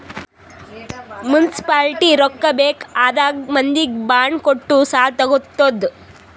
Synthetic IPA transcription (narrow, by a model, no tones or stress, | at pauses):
munisi̥paːlʈiɾɔkːɐbeːkaːd̪aːɡmɐnd̪ik̚baːɳkoʈːusaːt̪ɐɡut̪ːod̪